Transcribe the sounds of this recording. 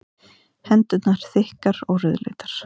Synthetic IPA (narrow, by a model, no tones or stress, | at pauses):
hɛnt̪ʏt̪naɾ̥θɪhkaɾɔɣrʏðlḛːt̪ḁɾ̥